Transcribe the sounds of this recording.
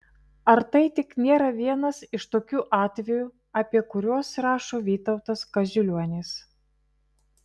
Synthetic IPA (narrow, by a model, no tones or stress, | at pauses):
ɐɾt̪ɐɪt̪ʲɪknʲeːɾɐʋʲiɛnɐsɪʃt̪oːkʲuːʔɑːt̪ʲʋʲɛjuː | ɐpʲiɛkʊɾʲoːsɾɑːʃoːʋʲiːt̪ɐʊt̪ɐskɐzʲʊlʲuɔnʲeːs